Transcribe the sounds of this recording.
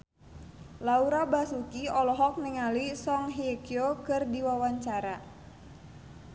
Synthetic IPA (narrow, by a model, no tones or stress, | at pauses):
lauɾabasukiɔlɔɦɔk̚niŋalisɔŋɦiekiokɨrdiwawaɲt͡ʃaɾa